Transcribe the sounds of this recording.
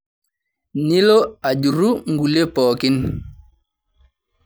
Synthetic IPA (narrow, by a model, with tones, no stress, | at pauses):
ni˦lo˦a˨ɟu˨ɾu˦ŋɡu˨le˦pɔː˨ki˦n